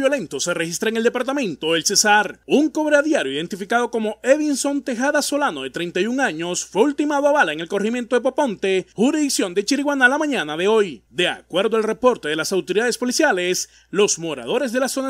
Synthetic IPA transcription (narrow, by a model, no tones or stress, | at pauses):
jolẽ̞nt̪oserexist̪ɾaeŋe̞ld̪e̞paɾt̪amẽ̞nt̪oelse̞saɾuŋko̞βɾeaðjaɾjoiðe̞nt̪ifikaðoko̞mo̞eβinso̞nt̪e̞xaðaso̞lanoðet̪ɾe̞jnt̪ajuŋaɲo̞sfwe̞ult̪imaðoaβalaeŋe̞lko̞rimjent̪o̞ðepopõ̞nt̪e̞huɾiðiksjo̞nd̪et͡ʃiɾiɣwanalamãɲãnaðeo̞jd̪e̞a̰kwe̞ɾðoalre̞po̞ɾt̪eðe̞lasawt̪oɾiðaðe̞spo̞lisjale̞s | lo̞smo̞ɾa̰ð̞o̞ɾe̞z̬ðe̞laso̞na